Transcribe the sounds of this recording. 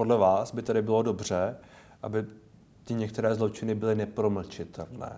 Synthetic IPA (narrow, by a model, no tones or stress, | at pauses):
podlɛvaːsbɪt̪adɪbɪlo̞do̞br̝̥ɛ | ʔabɪ | t̪ɪɲɛk̚t̪ɛɾɛːzlo̞t͡ʃɪnɪbɪlɪnɛpɾo̞ml̩t͡ʃɪt̪ʰɛ̰lnɛ̰ː